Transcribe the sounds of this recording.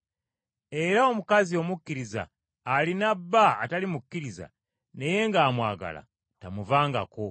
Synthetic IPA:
e̞ɾaomukazio̞mukːiɾiza̰ː | linabːa̰ːtalimukːiɾiza̰ | ne̞je̞ŋɡaːmwa̰ːɡa̰la̰ | tamuvaːŋɡa̰ko̞

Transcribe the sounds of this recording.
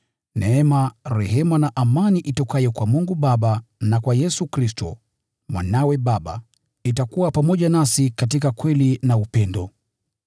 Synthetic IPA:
nʔɛɛmaɾɛɦɛmanaʔamaniʔitɔkajɔkwamuŋɡuɓaɓanakwajɛsukɾistɔ̰ | mwa̰nawɛɓaɓa̰ | itakuwapamɔʄanasikatikakwɛlinaupɛndɔ

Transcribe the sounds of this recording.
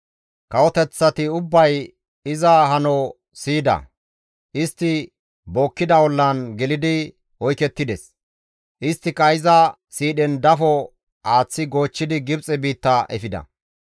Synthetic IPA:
kɐwɔt̪ɛt͡sːɐt̪ɪʊbːɐj | ɪzɐɦɐnɔ | siːd̪ɐ̰ | ʔɪst̪ːɪ | boːkːɪd̪ɐwɔlːɐnɡɛlɪd̪ɪ | wɔjkɛt̪ːɪd̪ɛs | ʔɪst̪ːɪkɐɪzɐ | siːɗɛnd̪ɐfɔ | aːt͡sːɪɡo̞ːt͡ʃːɪd̪ɪɡɪbt͡sʼɛbiːt̪ːɐʔɛ̰fɪd̪ɐ̰

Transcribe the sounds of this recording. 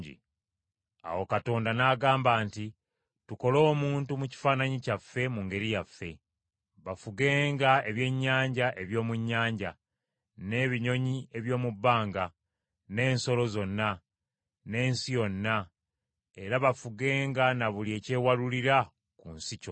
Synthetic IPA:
ɟḭ | a̰wokato̞ːndanaːɡaːmbaːnti | tuko̞lo̞ːmuːntumuci̥faːnaɲicafːe̞muŋɡe̞ɾijafːe̞̰ | βafuɡe̞ːŋɡae̞βje̞ɲːaːɲɟaʔe̞βjo̞ːmuɲːaːɲɟa | ne̞βiɲo̞ɲie̞βjo̞ːmubːaːŋɡa | ne̞ːnso̞lo̞zo̞nːa | ne̞ːnsijo̞nːa | e̞ɾaβafuɡe̞ːŋɡanaβulie̞ːce̞ːwaluliɾa | kunsico̰

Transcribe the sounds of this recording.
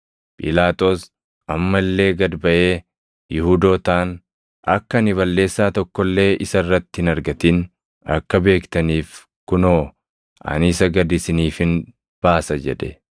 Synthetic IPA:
pʼɪlaːt̪ʼo̞ːs | ɐmːɐlːe̞ːɡɐd̪bɐʔe̞ː | jɪhuːd̪o̞ːt̪aːn | ʔɐkːɐnɪβɐlːe̞ːsːaːt̪ɔkːɔlːe̞ːʔɪsɐrːɐt̪ːɪhɪnɐɾɡɐt̪in | ɐ̰kːɐbe̞ːkt̪ɐniːf | kʊnoː | ʔɐ̰nɪsɐɡɐd̪ɪsɪniːfɪn | b̥aːsɐd͡ʒɛ̰ᶑɛ̥

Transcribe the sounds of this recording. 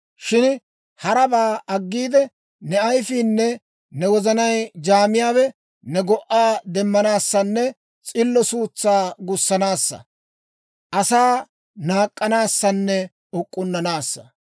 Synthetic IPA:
ʃɪn | hɐɾɐbaːʔɐɡːiːd̪ɛ | nɛɐjfiːnːɛ | nɛwɔzɐnɐjd͡ʒaːmɪjaːwɛ | nɛɡɔʔaːd̪ɛmːɐnaːsːɐnːɛ | t͡sʼɪlːɔsuːt͡sːaːɡʊsːɐnaːsːɐ̰ | ʔɐsaː | naːkʼːɐnaːsːɐnːɛ | ɔkʼːʊnːɐnaːsːɐ̥̰

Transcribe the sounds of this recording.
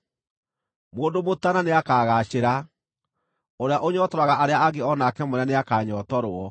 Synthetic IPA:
moːndomotananeakaːɣaːɕeɾa | oɾeaʔoɲɔtɔɾwaɣaʔaɾeaaɣeɔnakɛmoɾɛneakaːɲɔtɔɾoɔ

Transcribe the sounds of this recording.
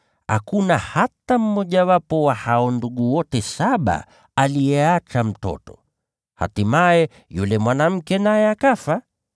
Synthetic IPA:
ha̰kunahatam̩mɔʄawapɔwahaɔnduɠuwɔtɛsaɓa̰ | alijɛat͡ʃam̩tɔ̰tɔ̥ | ha̰timajɛ | julɛmwanam̩kɛnajɛakafa

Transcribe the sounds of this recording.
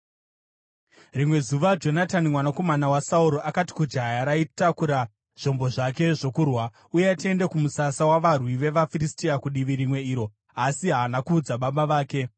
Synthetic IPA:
rimwe̞zuʋad͡ʒo̞natanimwanako̞manawasauɾo̞ʔakati̥kud͡ʒajaɾaitakuɾa | ʐ̥o̞mbo̞ʐak̬e̞ʐo̞kurwa | uje̞atie̞ndekumusasawaʋarwiʋe̞ʋafiristiakuɗiʋiɾimwe̞iːɾo̞ | asiɦaːnakuːd͡zaɓaɓaʋaːke̞

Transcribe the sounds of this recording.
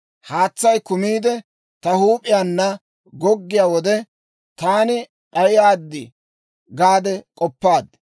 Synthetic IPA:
haːt͡sːɐjkʊmiːd̪ɛ | t̪ɐhuːpʼɪjaːnːɐ | ɡɔɡːɪjaːwɔd̪ɛ | t̪aːnɪ | pʼɐjɪjaːd̪ːɪ | ɡaːd̪ɛkʼɔpːaːd̪

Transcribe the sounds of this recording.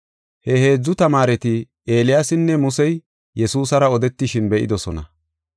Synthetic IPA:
hɛhe̞ːd͡zːʊt̪ɐmaːɾɛt̪ɪ | e̞ːlɪjasɪnːɛmʊsɛj | jɛsuːsɐɾɐɔd̪ɛt̪ːɪʃɪnbɛʔɪ̰d̪ɔsɔnɐ̰

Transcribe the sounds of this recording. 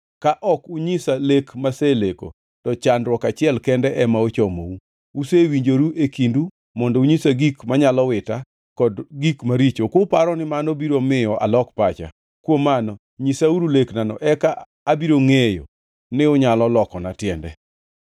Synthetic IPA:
kaʔɔkuɲisalekmaseleko̰ | tɔt͡ʃandwɔkat͡ʃɪɛlkɛndɛʔɛmaot͡ʃomou | usewiɲd͡ʒoɾuʔekindu | mɔndɔuɲisaɡikmaɲalɔwɪta | kɔdɡikmaɾit͡ʃokʊpaɾɔnɪmanobiɾomɪjɔʔa̰lɔkpat͡ʃa̰ | kwomanɔ | ɲisauɾuleknanɔ̰ʔɛkaː | biɾoŋejo̰ | nɪʊɲalɔlɔkɔnatjɛndɛ̰

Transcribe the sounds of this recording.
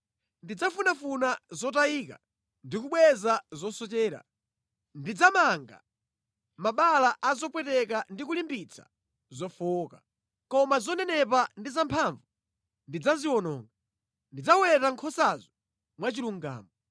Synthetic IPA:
ndid͡zafunafunazɔt̬aiːka̰ | ndik̬uɓwɛzazɔsɔt͡ʃɛːɾa̰ | ndid͡zamaŋɡa̰ | maɓalaʔazɔpwɛtɛkandik̬ulimbit͡sʰḁ̰ | zɔfɔka | kɔmazɔnɛnɛpandizampʰaɱvu | ndid͡zaziwɔnɔ̰ːŋɡa | ndid͡zawɛtaŋkʰɔsazɔ | mwat͡ʃiluŋɡa̰ːmɔ

